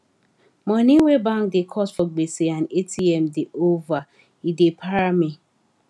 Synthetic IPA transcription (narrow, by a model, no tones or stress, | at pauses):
mɔ̃niwebãŋkdekʰɔsfɔɡ͡beseãnetʰiɛmdeʔova | idepʰaɾami